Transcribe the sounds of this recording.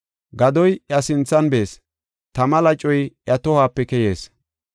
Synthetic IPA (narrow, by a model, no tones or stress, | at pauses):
ɡɐd̪ɔjjɐsɪnt͡sːɐnbeːs | t̪ɐmɐlɐt͡ʃʼɔjʔjɐt̪ɔhaːpːɛkɛje̞ːs